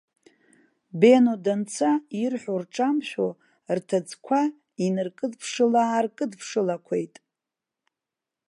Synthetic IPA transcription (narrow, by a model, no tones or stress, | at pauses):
benodant͡sʰairħʷᶣorʈ͡ʂʼamʃʷᶣo | rtʰad͡zkʷʰa | inɨrkʼɨdpʰʂɨlaːrkʼɨdpʰʂɨlakʷʰe̞̰jtʼ